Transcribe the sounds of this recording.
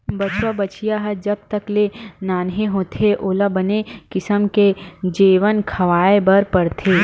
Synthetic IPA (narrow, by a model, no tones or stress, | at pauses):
bɐt͡ʃwabɐt͡ʃʰijaɦɐd͡ʒɐb̚t̪ɐklenaːnɦẽɦoːt̪ʰeʔoːlabənekɪsəmked͡ʒiːʋənkʰɐʋaːebɐɾpɐɽt̪ʰeː